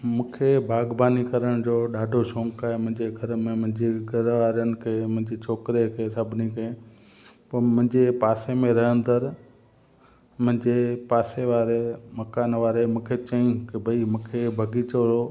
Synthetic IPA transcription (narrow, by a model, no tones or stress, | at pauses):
mũːkʰebʱaːɡbaːnikɐɾəɽ̃d͡ʑoːɗaːɖʱosõːŋkaːɦemʊ̃ɦɪ̃ɲd͡ʑeɡʱɐɾmẽmʊ̃ɦɪ̃ɲd͡ʑeɡʱɐɾʋaːɾənɪ̆kʰeːmʊ̃ɦɪ̃ɲd͡ʑet͡ɕʰoːkɾekʰeːsɐbʱɪnikɐẽ | pɐɾmʊ̃ɦɪ̃ɲd͡ʑepaːsemẽɾɐɦə̃nd̪əɾ | mʊ̃ɦɪ̃ɲd͡ʑepaːseʋaːɾemɐkaːnʋaːɾemũːkʰet͡ɕɐĩkibʱɐimũːkʰebʱɐɡiːt͡ɕo